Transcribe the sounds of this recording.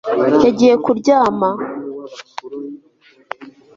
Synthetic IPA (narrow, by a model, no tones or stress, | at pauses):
jaɟije̞kuɾɟaːma